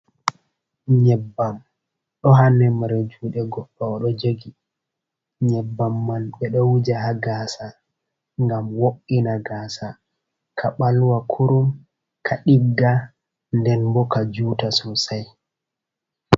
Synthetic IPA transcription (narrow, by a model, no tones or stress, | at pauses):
ɲɛbːam | ɗɔɦanɛmaɾed͡ʒuːɗɛɡɔɗːɔɗɔd͡ʒoɡi | ɲɛbːamːanɓɛɗɔwud͡ʒaɦaɡaːsa | ŋɡamwokːinaɡaːsa | kʰaɓalwakʰuɾum | kʰaɗiɡːa | ndɛnbɔkad͡ʒuːtasɔsaj